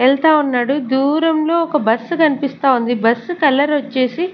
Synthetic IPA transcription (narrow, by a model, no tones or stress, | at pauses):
ɛɭt̪aːunːaːɽud̪uːɾɐmlo̞ːɔkɐbɐsːkɐnipist̪aːund̪ibɐsːkɐlɐɾʋɐt͡ʃːe̞ːsi